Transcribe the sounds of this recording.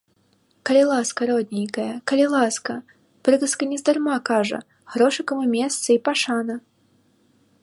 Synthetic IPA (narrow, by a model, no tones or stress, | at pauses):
kɐlʲɪlˠaskɐɾɔd̪ʲnʲejkɐjɐkɐlʲilˠaskɐ | pɾɨɡɐskɐnʲɛzd̪armakaʐɐ̰ | ɣɾɔʂɨkɐmɨmʲeɛst̪sɨipaʂanɐ